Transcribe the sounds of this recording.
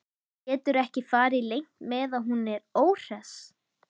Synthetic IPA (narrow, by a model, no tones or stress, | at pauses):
cɛːt̪ʏɾɛhcɪfaːɾɪlejŋ̥t̪mɛðaðɦunɛɾoːwr̥ɛs